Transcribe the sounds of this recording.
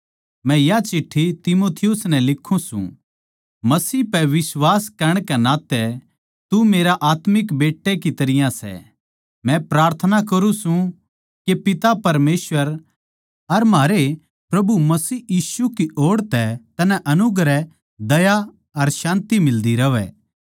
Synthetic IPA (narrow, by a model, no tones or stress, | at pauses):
mɛ̃jat͡ʃɪʈʰːit̪ɪmoːt̪ʰɪjʊsnɛ̃lɪkʰːũsṵ̃ | mɐsiːpɛʋɪswaːskɐɾəɽ̃kɛnaːt̪ɛ | t̪umeːɾaʔaːt̪mɪkbeːʈːekit̪ɐɾɪjãsɛ̰ | mɛ̃pɾaːɾt̪ʰənakɐɾũsũ | kepɪt̪apɐɾmeːsʋəɾ | ɐɾmaːɾe | pɾɐbumɐsiːjiːsukiʔoːɽt̪ɛt̪ɐnɛ̃ʔɐnʊɡɾɛ | d̪ɐja | ɐɾʃãːnt̪imɪld̪iɾɐʋɛ̰ː